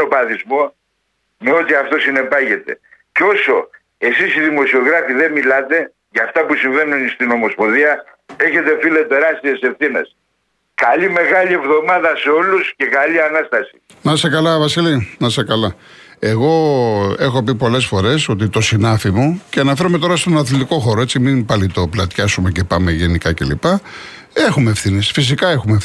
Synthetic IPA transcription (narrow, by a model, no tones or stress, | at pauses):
opɐθizmo̞ | me̞o̞t̪iɐft̪o̞sine̞pɐʝe̞t̪e̞̰ceo̞so̞ | e̞sisiðimo̞sio̞ɣɾɐfiðe̞milɐt̪e̞ | ʝɐft̪ɐpusiɱve̞nunst̪ino̞mo̞spo̞ðiɐ | e̞çe̞t̪e̞filet̪e̞ɾɐst̪iese̞fθine̞̰s | kalime̞ɣɐʎie̞vðo̞mɐðɐseo̞lusce̞kalianɐst̪ɐsi̥ | nɐsekɐlɐvɐsilinɐsekɐlɐe̞ɣo̞e̞xo̞p̬ipo̞le̞sfo̞ɾe̞so̞t̪it̪o̞sinɐfimuceɐnɐfe̞ɾume̞t̪o̞ɾɐst̪onɐθlit̪iko̞xo̞ɾoe̞t͡simimpɐlit̪o̞plɐt̪çɐsumece̞pɐme̞ʝe̞nikɐce̞lḭpɐ | e̞xumeːfθine̞sfis̬ikɐe̞xume